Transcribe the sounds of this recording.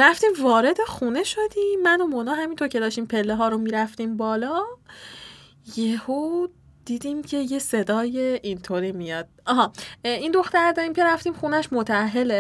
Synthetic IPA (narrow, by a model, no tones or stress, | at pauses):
ɾæft̪iːmvɒːɾe̞d̪e̞xune̞ʃod̪iːmmːænomonɒːɦæmint̪ʰoɾcʲʰe̞d̪ɒːʃt̪iːmpʰe̞lːeɦɒːɾomiːɾæft̪iːmbɒːlɒ | jeho | d̪̥iːd̪iːmcʰe̞je̞se̞d̪ɒːjeʔint̪ʰoɾiːmijɒd̪̥̚ɒɦɒːind̪o̞xt̪æɾd̪ɒːɾiːmcʰe̞ɾæft̪iːmxunæʃmot̪ʰææɦːe̞le